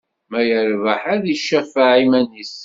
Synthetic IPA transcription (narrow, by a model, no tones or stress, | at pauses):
mæjəɾvaħaðiʃːæfaʕimænis